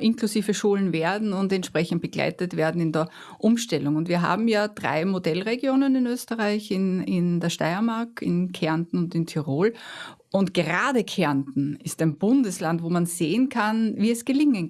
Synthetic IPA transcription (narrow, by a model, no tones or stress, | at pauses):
ʔɪnklusiːvəʃuːlənveːɐdn̩ʊntɛntʃpʁ̥ɛçn̩t̚b̥əɡ̥la̰ɪtətv̥eːɐdn̩ɪndəɐ | ʔʊmʃtɛlʊŋʊntviːɐɦa̰ːbm̩jaːd̥ʁa̰ɪmodɛlʁeɡjoːnənɪnøːstəʁaɪçɪnɪndəɐʃta̰ɪɐmaɐkɪ̰nkʰɛɐntn̩ʊntɪntʰyʁoːl | ʊntɡ̥əʁaːdəkʰɛɐntn̩ɪstæɪnb̥ʊndəslantvoːmanz̥eːənkʰanviːɛsɡ̥əlɪŋən